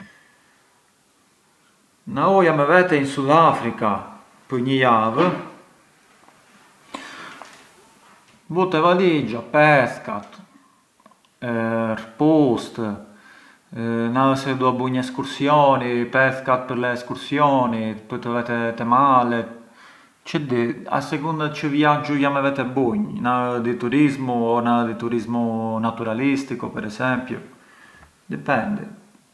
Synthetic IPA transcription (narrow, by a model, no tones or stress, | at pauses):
naujamɛvɛt̪ɛinsuðafɾika | pəɾɲəjav | but̪ɛvalid͡ʒapɛθkat̪ | rpust̪ | naəsɛd̪uabuɲɛskuɾsjɔnipɛθkat̪̚pəɾlɛɛskuɾsjɔnit̪pəɾt̪əvɛt̪ɛt̪ɛmalɛt̪ | t͡ʃəd̪ia̰sɛkund̪at͡ʃəvjad͡ʒujamɛvɛt̪ɛbuɲnad̪it̪uɾizmuɔnad̪it̪uɾizmunat̪uɾalist̪ikupɛɾɛzɛmpjṵ | d̪ɛpɛnd̪ḭ